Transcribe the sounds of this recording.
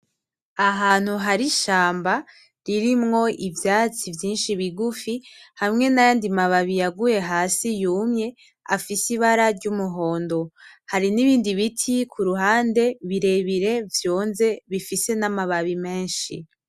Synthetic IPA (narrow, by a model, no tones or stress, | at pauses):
aɦaːn̥huɦaɾiʃaːmba | ɾiɾimŋo̞ʔivjaːt͡sivjiːnʃiβiɡufihamŋe̞najaːndimaβaβijaɡuje̞ɦaːsijuːmɲe̞ | a̰fisiβaɾaɾɟumuɦo̞ːndo̞haɾiniβiːndiβitʰikʰuɾuɦaːnde̞βiɾe̞βiɾe̞vjo̞ːnze̞βifise̞namaβaβime̞ːnʃḭ